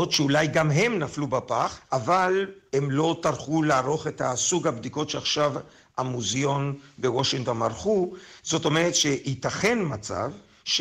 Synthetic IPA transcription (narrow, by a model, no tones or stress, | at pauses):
ot̪ʃeulajɡamɦe̞mnaflubapaχavalhe̞mlo̞taʁχulaaʁo̞χe̞t̪hasuɡhabd̪iko̞tʃeaχʃav | amuzjo̞nbewoʃiŋt̪onaʁχuzo̞to̞meʁet̪ʃeit̪aχe̞nmat͡sa̰v | ʃ